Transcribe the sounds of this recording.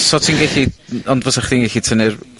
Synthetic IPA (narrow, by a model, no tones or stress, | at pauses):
sɔtʰiːnɡɛɬiɔndvɔsaχdiːnɡɛɬitʰənɪr